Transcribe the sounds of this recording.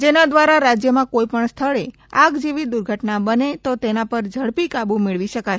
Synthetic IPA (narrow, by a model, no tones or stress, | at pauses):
d͡ʒenad̪ʋaɾaɾad͡ʒjəmãkoipəɳst̪ʰəɭe | aɡd͡ʒeʋid̪uɾɡʱəʈnabənet̪ot̪enapəɾd͡ʒəɭpikabũmeɭʋiʃəkaʃ